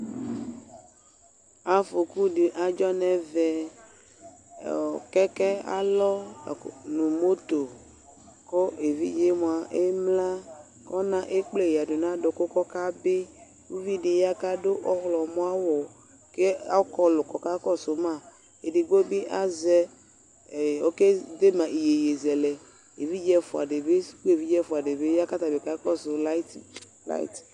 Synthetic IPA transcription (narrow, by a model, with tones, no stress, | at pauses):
a˨fo˨ku˦ɖe˨ʔa˨d͡ʒɔ˦nɛ̃˨vɛ˨ | kɛ˦kɛ˦a̰˦lɔ˦˨ | nũ˨mo˦t̪o˨ | kɔ˦e˨vḭ˦d͡ʒe˦mõ˨a˨ʔe˦mla˦ | kɔ˦nã˦ʔe˦k͡ple˦˨ja˨ɖo˨nã˦ɖo˨ko˦kɔ˦ka˦be˦ | wu˦vi˦ɖe˨ja˦ka˦ɖo˦ʔɔ˦xlɔ˨mɔ̃˦a˦wɔ˨ | ke˦a˦kɔ˦lo˨kɔ˦ka˦kɔ˦so˨mã˦˨ | e˨ɖe˨ɡ͡bo˦bi˦ʔa˦zɛ˦˨ | wo˦ke˦d̪e˦mã˨ʔi˨je˨je˨zɛ˨lɛ˨ | ḛ˨vi˦d͡ʒɛ˦fo˨a̰˨ɖe˨be˦sko˦e˨vi˦d͡ʒɛ˦fʊ˨a˨ɖe˨be˦ja˦ka˦t̪a˨be˨ka˦kɔ˦so˨la˦t̪ | la̰˦ḭ˨t̪